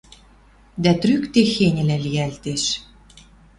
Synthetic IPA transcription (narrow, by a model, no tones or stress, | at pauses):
d̪æt̪rykt̪exenʲɘ̆lælijælt̪eʃ